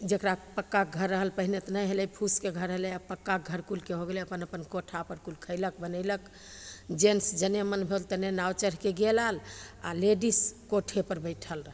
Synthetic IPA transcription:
d͡ʒekɾapəkːak̚ɡʱəɾːəɦəlpəɦinet̪nəjɦelɛjpʰuskeɡʱəɾəɦelɛapəkːaɡʱəɾkulkeɦoɡeleəpənəpənkoʈʰapəɾkulkʰəɪlək̚bənəɪlək | d͡ʒensd͡ʒənemənbʱelt̪ənenawt͡ʃəɾɦkeɡelala̰leɖiskoʈʰepəɾbəɪʈʰəl

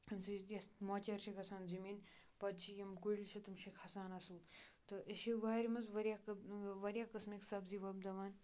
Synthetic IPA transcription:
ɐmsijɐsmoːt͡ʃɐɾʃikʰɐsaːnzimiːn | pɐd̪̚t͡ʃʰijɐmkulʲt͡ʃʰɐt̪umʃikʰɐsaːnɐsuːt̪ɐʔɐʃiʋaːɾʲimɐzʋɐɾjakʋɐɾʲjaːkɐsmeksɐbziʋɐbd̪ɐʋaːn

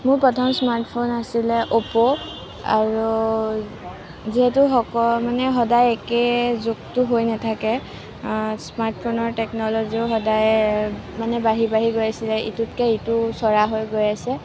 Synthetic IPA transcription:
mʊɹpɹɔtʰɔmsmaɹtʰpʰonasilɛʔopɔ | a̰ɹu | ziɦɛtʊɦɔkɔmanɛɦɔdajɛkɛzʊktʊɦojnatʰakɛ | smaɹtʰpʰonɔɹtɛknɔlɔziʊɦɔdaj | manɛbaɦibaɦiɡojasilɛʔḭtutkɛitusɔɹaɦojɡojasɛ

